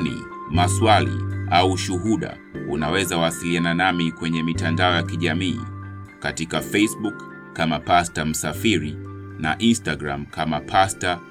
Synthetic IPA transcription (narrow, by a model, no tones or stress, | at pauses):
nḭ | maswalḭauʃuɦuɗa̰ | unawɛzawasiliananamikwɛɲɛmitandaɔjakiʄamiː | katikafɛsɓukː | amapastam̩safiɾi | na̰ʔinstaɡɾamkamapʰasta